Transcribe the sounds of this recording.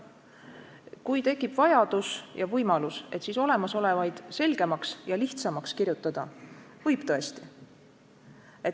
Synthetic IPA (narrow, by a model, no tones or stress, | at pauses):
kujt̪e̞kˑːib̥vɑjɑd̪̥usjɑvɤjmɑluse̞̰t̪ːˑsiso̞le̞mɑso̞le̞vɑjd̪̥se̞lɡe̞mɑksjɑliht̪sɑmɑkskirjut̪ːˑɑd̪̥ɑ | vɤjb̥t̪ɤ̞est̪i̥ | e̞t̪